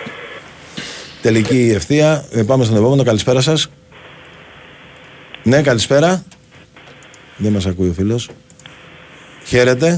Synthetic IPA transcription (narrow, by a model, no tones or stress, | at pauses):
t̪e̞licie̞fθiɐepɐme̞st̪o̞ne̞po̞me̞no̞kɐlispe̞ɾɐsɐs | ne̞kɐlispe̞ɾɐ | ðemɐsɐkuio̞filo̞s | çe̞ɾe̞t̪e̞